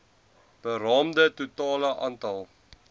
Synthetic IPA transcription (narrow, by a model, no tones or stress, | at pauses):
b̥əɾɑːmdətutɑːləʔɑ̰ːntɐlˠ